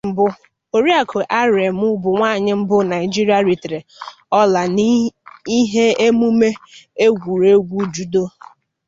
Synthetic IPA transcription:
m̩˨bʊ˦ | o˨ɾi˦a˨kʰʊ˨ʔa˦ɾe˨m˦ʊ˦bʊ˨ŋʷaː˦˨ɲɪ˦m̩˦bʊ˦na˨ɪ˨d͡ʒi˦ɾi˦a˨ɾi˨tɾe˨ | ɔ˦la˨n˦i˦ɦe˦e˦mu˦me˦e˦ɡʷu˨ɾe˦ɡʷu˦d͡ʒu˦do˦

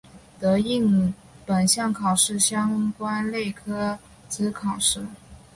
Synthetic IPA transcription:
t̪ɤ˧˥i˥˩ŋ | pə˨˩nɕjɑ˥˩ŋkʰɑ˨˩ʊʂɻ̩˥˩ɕjɑ˥ŋkwa˥nle˥˩ɪkʰɤ˥ | t͡sɹ̩˧˥kʰɑ˨˩ʊʂɻ̩˥˩

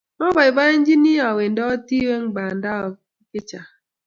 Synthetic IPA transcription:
mɔ˦ba˨ba˦e˦n˦d͡ʒi˦ni˦a˨we˨ndɔ˦ti˦we˦ŋ˦ɡ͡ba˨nda˦ɔ˨˦ | kɪ˦t͡ʃa˨

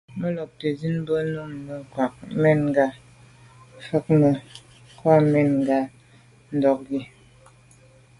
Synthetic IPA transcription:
mə˦lɔ˨p̚te˨zi˦n˦bə˦nu˦˨ŋmə˨kwa˨k̚mɛ˦˨nŋ˨ɡa˦ | fə˦k̚mə˨ | kwa˦mɛ˨nŋ˨ɡa˨ | n̩˨dɔ˨k̚ɡi˦

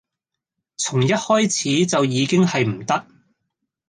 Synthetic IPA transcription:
t͡sʰʊ˨˩ŋjɐ˥t̚hɔː˥jt͡sʰiː˨˥t͡sɐ˨wjiː˨˧kɪ˥ŋhɐ˨jm̩˨˩t̪ɐ˥k̚

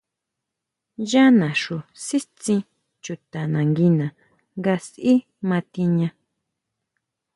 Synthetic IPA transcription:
ja˦nã˨ʂu˨si˦t͡sĩ˧ | t͡ʃu˨t̪a˨nã˨ŋɡi˧nã˨ | ŋɡa˧sʔi˦ | mã˧t̪i˧ɲã˧

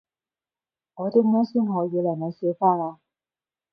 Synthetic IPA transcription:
ŋɔː˨˧te˧˥mɔː˥si˥mhɔː˨˦jiː˨˧lɛ˨˩jna˨˦se˧˥faː˥naː˧

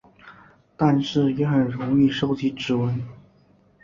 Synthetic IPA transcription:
t̪a˥˧nʂɻ̩˥˩jɛ˧˥xə˨˩nɻʊ˧˥ŋi˥˩ʂo˥ʊt͡ɕi˧˥ʈ͡ʂɻ̩˧˥wə˧˥n

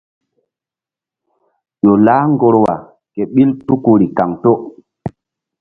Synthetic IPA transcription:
jo˨laː˦ŋɡo˨ɾwa˨ | kɛ˨ɓi˦ltu˦ku˨ɾi˨ka˨ŋto˦

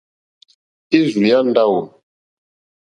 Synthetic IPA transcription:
i˦zu˨a˦n˦da˦wo˨

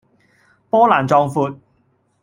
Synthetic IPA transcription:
pɔː˥laː˨˩nt͡sɔː˧ŋfuː˨˧t̚

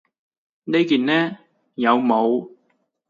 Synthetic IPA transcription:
ne˥jkiː˨nnɛː˥ | jɐ˨˧wmo˨˧w

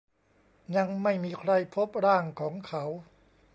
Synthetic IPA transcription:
ɲa˧ŋma˥˩jmiː˧kʰɾa˧jpʰo˦˥p̚ɾaː˥˩ŋkʰɔː˩˦ŋkʰa˦˥w

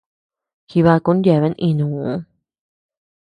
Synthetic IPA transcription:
xi˧βa˧ku˧˦n˦ja˧˨βe˧˦ʔĩ˧nũ˨˦

